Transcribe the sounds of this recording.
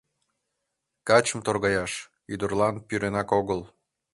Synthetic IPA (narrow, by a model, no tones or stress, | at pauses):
kɑt͡ɕəmt̪orɣɑjɑʃ | yd̪urlˠɑnpyɾenɑkoɣəl